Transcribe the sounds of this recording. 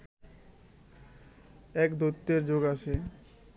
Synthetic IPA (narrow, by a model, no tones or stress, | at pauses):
ɛkd̪ot̪ːeɾd͡ʑoɡat͡ɕʰe